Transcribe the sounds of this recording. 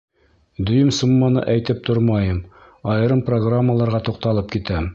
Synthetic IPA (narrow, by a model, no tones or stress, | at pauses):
d̪ɵ̆jɵmsumːɑnɤ̰ʔæjt̪ɘp̚t̪ʰoɾmɑjɤm | ɑjɤ̆ɾɤmproɡramːəlˠɑɾʁɑt̪uq̚t̪ɑlˠɤpkit̪æm